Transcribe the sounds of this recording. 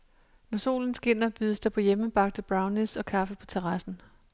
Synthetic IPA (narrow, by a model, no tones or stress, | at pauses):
nɒso̝̰ːln̩sɡ̥e̝n̰ɐb̥yðˠəsd̥ɑ̈pʰɒ̽jeməb̥ɑ̈ɡ̥̚d̥əb̥ʁɑ̈ʊnesɒ̽kʰɑ̈fəpʰɒ̽t͡sʰeʁɑsn̩